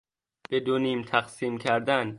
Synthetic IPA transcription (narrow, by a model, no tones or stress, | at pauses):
b̥ed̪oniːmt̪ʰæqsiːmcʰæɾd̪æn